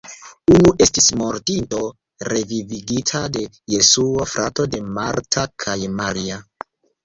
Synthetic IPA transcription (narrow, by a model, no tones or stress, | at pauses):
unuʔe̞stismo̞ɾtinto̞ | ɾe̞viviɡitʰade̞ | je̞suofɾʔa̰to̞de̞maɾtʰakʰajmaɾia